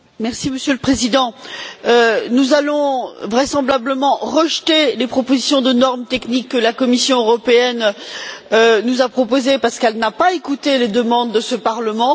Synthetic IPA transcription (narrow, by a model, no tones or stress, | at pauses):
mɛʁsiməsjøləpχezid̪ɑ̃ønuzalɔ̃vʁɛsɑ̃blabləmɑ̃ʁəʒt̪elepχɔpozisjɔ̃d̪ənɔʁmt̪ɛknikːəlakɔmisjɔ̃øʁɔpeɛn | ønuzapχɔpozepaʁsə̥kɛlnapaekut̪eled̪əmɑ̃d̪ːəsəpaʁləmɑ̃